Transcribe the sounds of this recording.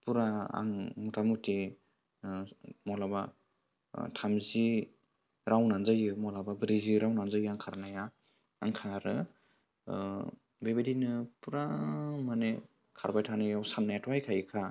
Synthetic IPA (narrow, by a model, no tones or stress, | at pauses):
puɾaa̰ŋutʰamuti | mɔlaba | tʰamzi | ɾawnanzɯjɯmɔlababɾiziɾawnanzəjɯaŋkʰaɾnajaː | ŋkʰaɾɯ | bebedinɯpuɾamane | kʰaɾbajtʰanɯjawsanːatwajkʰajkʰa